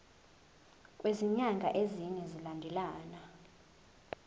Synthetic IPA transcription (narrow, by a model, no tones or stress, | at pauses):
kʼweziɲaŋɡʱa̰ʔeziɲɛzilandʱɛlaːna